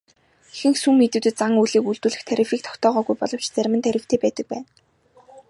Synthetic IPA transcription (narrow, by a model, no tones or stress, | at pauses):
xɘ̆ŋxsuŋːet̪uːt̪ɘ̆t̪t͡saŋujɮiːkuɮt̪uːɮɘ̆xt̪ʰæɾʲɪ̆fiːk̚t̪ʰɔ̥kt̪ʰɔːʁɔːɣujpɔɮɞ̆wt͡ɕʰt͡sæɾ̆ʲmɘ̆nt̪ʰæɾʲɪ̆w̥t̪ʰeːpæːt̪ə̆k̚pæːn